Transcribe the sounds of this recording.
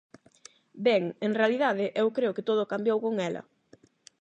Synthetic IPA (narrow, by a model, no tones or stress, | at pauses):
bɛŋeŋrealiðað̞ɪʔewkɾeokɪt̪oð̞ʊkambjowkoŋɛlɐ̰